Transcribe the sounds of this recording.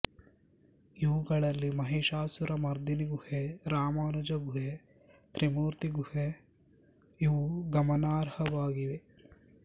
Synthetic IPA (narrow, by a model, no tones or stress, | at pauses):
iʋuɡɐɭɐlːimɐɦeːʃaːsuɾɐmɐɾd̪iniɡuheɾaːmaːnud͡ʒɐɡʱuɦe | t̪ɾimuːɾt̪iɡuhe | iʋuɡɐmɐnaːɾhɐʋaːɡiʋe